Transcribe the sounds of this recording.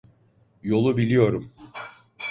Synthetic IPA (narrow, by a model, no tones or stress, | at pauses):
jo̞lˠubilʲijo̞ɾum